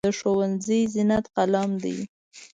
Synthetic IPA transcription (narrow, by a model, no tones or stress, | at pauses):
əʃowanzijzɪnat̪qalamd̪ḭj